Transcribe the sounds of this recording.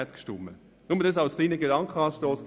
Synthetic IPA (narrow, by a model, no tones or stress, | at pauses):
ɛt̪kʃtʊmːə | nʊmədəs̬ɑʊsχliːnəɡedɑŋkχəɑːʃtoːs